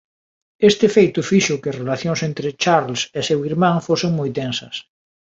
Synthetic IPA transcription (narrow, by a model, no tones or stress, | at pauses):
est̪ɪfejt̪ʊfiʃʊkɪɐsrelaθjoŋsent̪ɾɪt͡ʃaɾlsesewiɾmãŋfoseŋmojt̪ẽnsɐs